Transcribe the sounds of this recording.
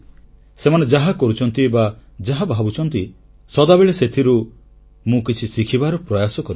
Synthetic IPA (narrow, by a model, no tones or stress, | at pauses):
semaned͡ʒaɦakɔɾut͡ʃʰɔnt̪ibad͡ʒaɦabʱabut͡ʃʰɔnt̪i | sɔd̪abeɭeset̪ʰiɾu | mũkit͡ʃʰisikʰibaɾɔpɾɔjasɔkɔɾi